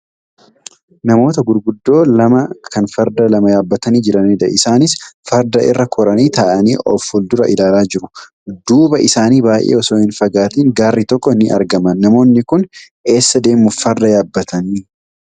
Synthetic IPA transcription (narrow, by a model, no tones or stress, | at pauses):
nɐmo̞ːt̪ɐɡʊɾɡʊd̪ːo̞ːlɐmɐkɐnfɐɾd̪ɐlɐmɐjaːbːɐt̪ɐniːd͡ʒɪɾɐneːd̪ɐ̰ʔɪsaːnɪsfɐɾd̪ɐʔɪ̰rːɐkʰɔɾɐniːt̪aːʔɐniːʔɔ̰fhʊld̪ʊɾɐʔɪlaːlaːd͡ʒɪɾʊ | d̪uːbɐʔɪsaːniːbaːjʔḛːɔsoːɪnfɐɡaːt̪iːŋɡaːrːiːt̪ɔkʼːɔɪnːɪʔɐ̰ɾɡɐmɐnːɐmo̞ːnːɪkʊn | e̞ːsːɐd̪e̞ːmːʊfɐɾd̪ɐjaːbːɐt̪ɐniː